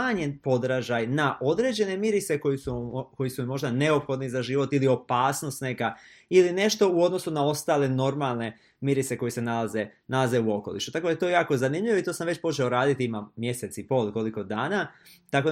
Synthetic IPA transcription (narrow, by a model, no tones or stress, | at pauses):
aɲe̞npo̞d̪ɾaʒajnaʔo̞d̪ɾe̞d͡ʑe̞ne̞miɾit̪se̞ko̞jisuko̞jisummo̞ʒd̪ane̞o̞pxo̞d̪nizaʒiʋo̞t̪ilio̞paːsno̞st̪ne̞ka | iline̞ʃt̪o̞uo̞d̪no̞sunao̞st̪aːle̞no̞ɾmalˠne̞ | miɾit̪se̞ko̞jese̞nalazenalaze̞uo̞ko̞lˠḭʃu̥t̪akod̪aet̪o̞jejaːko̞zanimʎiʋo̞it̪osamʋe̞t͡ɕpo̞t͡ʃeoɾaːd̪it̪iimamje̞se̞t̪sipo̞lˠko̞liko̞d̪aːna | t̪ako̞